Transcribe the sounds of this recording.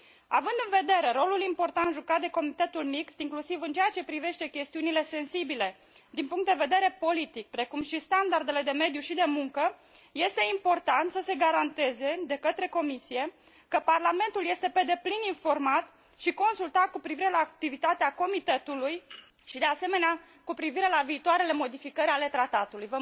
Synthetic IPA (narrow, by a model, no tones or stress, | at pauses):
avɨnd̪ɨnve̞d̪e̞ɾe̞ɾo̞lulimpo̞rt̪ant̪ʒukat̪̚d̪eko̞mit̪e̞t̪ulmikst̪iŋklusivɨnt͡ʃejat͡ʃe̞pɾive̞ʃt̪e̞kʲe̞st̪iunile̞se̞nsibile̞ | d̪inpuŋkt̪d̪e̞ve̞d̪e̞ɾe̞po̞lit̪ik̚pɾe̞kumʃist̪and̪ard̪e̞le̞d̪e̞me̞d̪juʃid̪e̞muŋkə | je̞st̪e̞impo̞rt̪ant̪səse̞ɡaɾant̪e̞ze̞d̪e̞kət̪ɾe̞ko̞misije̞ | kəparlame̞nt̪ulje̞st̪e̞pe̞d̪e̞plininfo̞rmat̪ | ʃiko̞nsult̪at̪̚kupɾiviɾe̞laːk̚t̪ivit̪at̪eako̞mit̪e̞t̪uluj | ʃid̪e̞ase̞me̞nea | kupɾiviɾe̞laviːt̪oaɾele̞mo̞d̪ifikəɾʲale̞t̪ɾat̪at̪ulujvə